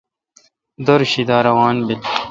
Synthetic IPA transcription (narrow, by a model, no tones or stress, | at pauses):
d̪ɐɾɕid̪aːɾɐwaːnbil